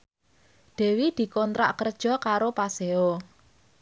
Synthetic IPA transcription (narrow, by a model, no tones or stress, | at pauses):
d̪̥ɛ̤wid̪̥i̤kɔnt̪ɾa̰ʔkərd̥ʒ̥ɔ̤kaɾopaseo